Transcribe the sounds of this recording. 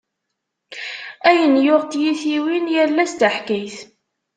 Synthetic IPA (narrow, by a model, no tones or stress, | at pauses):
æjənjʊʁt̪jiθiwinjælːæst̪əħkijθ